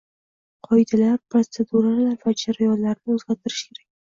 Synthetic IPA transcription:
qʰɒjd̪alaɾpɾot̪se̞d̪uɾalaɾvad͡ʒaɾajɒlːaɾnɪɵzɡʲat̪ʰɪɾɪ̥ʃkʲʰe̞ɾakʲ

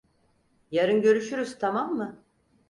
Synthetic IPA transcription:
jaɾɯnɟø̞ɾyʃyɾyz̥t̪ʰamamːɯ

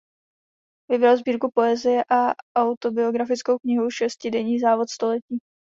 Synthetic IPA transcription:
vɪbɾalzbiːɾkupo̞ɛzɪjɛʔaʔawt̪o̞bɪo̞ɡɾafɪt͡sko̞wkɲɪɦowʃɛscɪdɛɲiːzaːvo̞t̪st̪o̞lɛciː

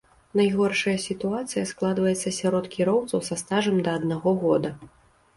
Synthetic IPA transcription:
najɣɔrʂɐjɐsʲit̪uat̪sɨjɐsklˠad̪vɐjɛt̪sːɐsʲaɾɔt̪kʲiɾɔwt̪sɐwsɐst̪aʐɐmd̪ɐːd̪naɣɔɣɔd̪ɐ

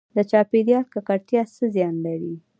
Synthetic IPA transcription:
d̪ət͡ʃɑped̪ijɑlkakaɾt̪jasəzjɑnlaɾi

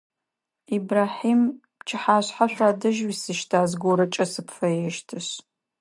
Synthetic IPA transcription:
iːbraːħiːm | t͡ʃʰɪħaːɕħaɕʷaːdɐʒwisɨʃtʰaːzɡʷoɾɐt͡ʃʼɐsɨpʰfɐjɛʃtʰɨɕ

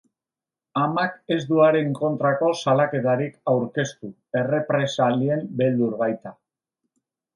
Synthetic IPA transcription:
amake̞zd̪uaɾe̞ŋko̞nt̪ɾako̞salake̞t̪aɾikawɾke̞st̪u | e̞re̞pɾe̞salie̞mbe̞ld̪uɾβajt̪a

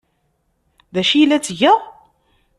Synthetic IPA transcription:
ðæʃijlːæt͡sːʝæ

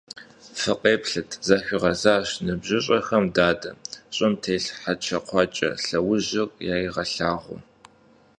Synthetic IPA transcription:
fɨqʼeːpɬɨtʰz̥aɕʷiʁɐzaːɕnɨbʑɪɕʼɐxɐmdaːdɐɕʼɪmtʰeːɬħat͡ʃʰɐqʷɑt͡ʃʼɐ̰ɬɐwʊʑɐkʷʼjaːjiʁɐɬaːʁʷʊ̰

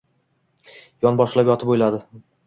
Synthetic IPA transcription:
jɒnbɒʃlapjɒt̪ʰɪpojlad̪ɪ

